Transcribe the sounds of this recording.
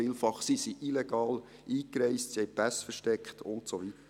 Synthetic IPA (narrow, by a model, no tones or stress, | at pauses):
iːlfɑχsisiʔilɛɡ̥ɑːl | ʔiːkɾɛɪstsihɛɪpæsfəɾʃtɛkχtʊ̰ntsoʋitə